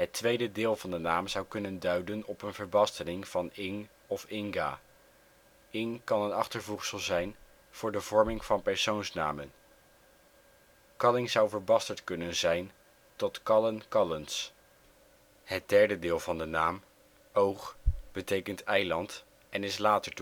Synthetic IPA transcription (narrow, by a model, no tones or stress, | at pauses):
ɦətʋejdədɪːlˠvɑndənaːmzʌwkɵnəndœɥdənɔpənvəɹbɑstənɪŋv̥ɑnɪŋ | ɔfɪŋɡa̰ː | ɪŋkɑnənɑχtəɹvuχsəlˠzɛjn | v̥ʊːɹdəvɔɹmɪŋv̥ɑnpɛɹsownsna̰ːmən | kɑlɪŋzʌwvəɹbɑstəɹtkɵnənzɛjn | tɔtkɑlənkɑləns | hət̚d̥ɛɹdədɪːlˠvɑndənaːm | owχb̥ətejkəntɛjlɑnt | ʔɛnɪslaːtəɹt